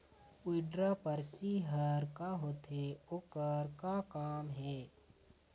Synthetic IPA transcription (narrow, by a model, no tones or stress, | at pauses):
ʊɪɖɾapəɾt͡ʃiɦəɾkaɦoːt̪eokəɾkakaːmɦɛː